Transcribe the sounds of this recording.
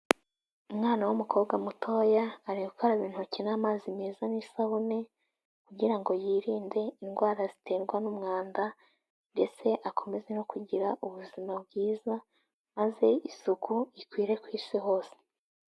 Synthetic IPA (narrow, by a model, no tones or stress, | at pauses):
umŋaːnawumukʰo̞ːbɡamutʰo̞ːjaːɾiukʰaɾaβiːn̥hucinamaːzimeːzanisahune | kuɟiɾaŋɡo̞jiːɾiːnde̞inɡwaːɾazitʰe̞ɾɡwanumŋaːnda | nde̞t͡se̞ʔakʰo̞me̞ze̞no̞kuɟiɾaʔuβuzimabɡiːza | maze̞isukʰuikwiːɾe̞kwiːsiɦo̞ːse̥